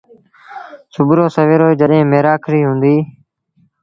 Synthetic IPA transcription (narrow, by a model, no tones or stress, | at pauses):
sʊbɾoːsəʋeːɾoːiːd͡ʒəɗɦẽːmeːɾaːkʰɾiːɦũːnd̪iː